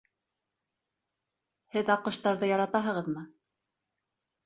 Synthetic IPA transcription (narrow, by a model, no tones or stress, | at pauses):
hɘðɑqɤ̆ʃt̪ɑɾðɤjɑɾɑt̪ɑɦɤ̆ʁɤðmɤ